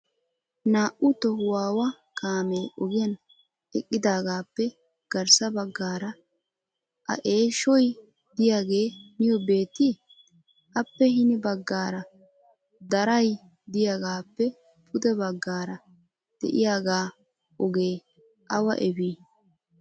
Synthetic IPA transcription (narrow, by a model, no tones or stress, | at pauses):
naːʔʊt̪ɔwaːwɐ | kaːmeːʔɔɡɪjɐn | ɛkʼːɪd̪aːɡaːpːɛ | ɡ̥ɐɾsɐbɐɡːaːɾɐ | ʔɐ̰ʔe̞ːʃɔj | d̪ɪjaːɡe̞ːmɪjɔbe̞ːt̪ːɪ | ʔɐpːɛhɪnɪbɐɡːaːɾɐ | d̪ɐɾɐj | d̪ɪjaːɡaːpːɛ | pʰʊd̪ɛbɐɡːaːɾɐ | d̪̥ɛ̰ʔɪjaːɡaː | ʔɔɡeː | ʔɐwɐ̰ʔɛbiː